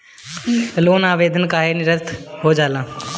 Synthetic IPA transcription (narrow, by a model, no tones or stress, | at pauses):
loːnaːʋeːd̪ʱənkaːɦenɪɾət̪ʰɦoːd͡ʒaːlãː